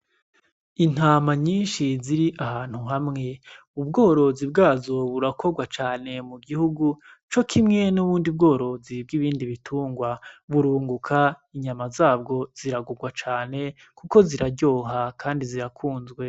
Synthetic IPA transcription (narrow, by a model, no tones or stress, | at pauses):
in̥aːmaɲiːnʃiziɾiʔahaːn̥huɦamŋe̞ | ubɡo̞ːɾo̞zib̚ɡaːzo̞βuɾakʰo̞ɡwat͡ʃaːne̞muɡihuɡu | t͡ʃo̞kʰimŋe̞nuβuːndib̚ɡo̞ːɾo̞zib̚ɡiβiːndiβitʰuːŋɡwaβuɾuːŋɡukʰa | iɲamazaːbɡo̞z̥iɾaɡuɡwat͡ʃaːne̞ | kuko̞ziɾaɾɟo̞ːɦakʰaːndiziɾakʰuːnzɡwe̞